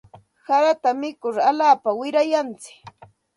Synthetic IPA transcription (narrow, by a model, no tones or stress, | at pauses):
saɾat̪amɪkʊɾalaːpawɪɾajant͡sɪ̥k